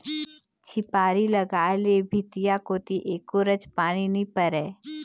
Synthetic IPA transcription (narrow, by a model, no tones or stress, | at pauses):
t͡ʃʰɪpaːɾiləɡaːlebʱit̪ijakoːt̪iʔeːkoɾəd͡ʒpaːñinĩpəɾɛː